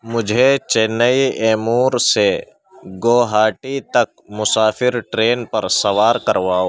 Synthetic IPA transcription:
mʊd͡ʒʱet͡ʃenːəiɛːmuːɾse | ɡoːɦaːʈit̪ɐk̚mʊsaːfɪɾʈɾeːnpɐɾsɐwaːɾkɐɾʋaːoː

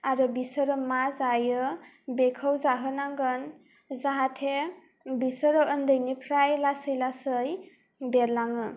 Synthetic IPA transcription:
aɾɯbisəɾɯmazajɯ | bekʰəwzaɦɯnaŋɡɯn | zaɦatʰe | bisəɾɯːndɯjnipʰɾajlasɯjlasɯj | beɾlaŋɯ

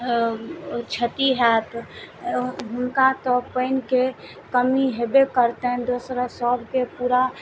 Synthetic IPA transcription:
t͡ʃʰət̪iɦɛt̪ | ɦʊnkat̪ɔpəɪnke | kəmiɦebekəɾt̪eɦɛ̃d̪oːsɾasəbʱkepuːɾa

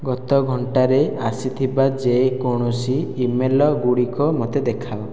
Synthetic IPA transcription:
ɡɔt̪ɔɡʱɔɳʈaɾeasit̪ʰibad͡ʒekoɽ̃ɔsiːmelɔɡuɽikɔmot̪ed̪ekʰaɔ

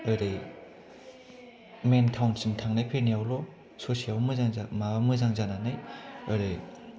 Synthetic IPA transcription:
ɯɾej | mentʰawnsimtʰaŋnajpʰenijawlɔ | sosiawmɯzaŋzamaamɯzaŋzananajɯɾɯj

